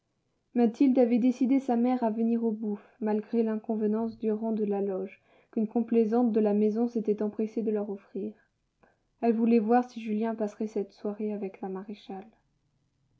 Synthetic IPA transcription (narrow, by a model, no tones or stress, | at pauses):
mat̪ild̪avɛd̪esid̪esamɛʁavəniʁobufmalɡʁelɛ̃kɔ̃vənɑ̃sd̪yʁɑ̃d̪əlalɔʒ | kʲynkɔ̃plezɑ̃t̪̚d̪əlamɛzɔ̃set̪ɛt̪ɑ̃pχesed̪əlœʁɔfχiːʁ | ɛlvulɛvwaʁsiʒyljɛ̃pasχɛsɛt̪swaʁeavɛklamaʁeʃal